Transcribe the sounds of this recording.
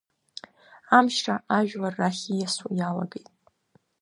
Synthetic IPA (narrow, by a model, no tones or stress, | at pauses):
amʃʈ͡ʂʰaʔaʒᶣlarːaχʲijasujala̰ɡejtʼ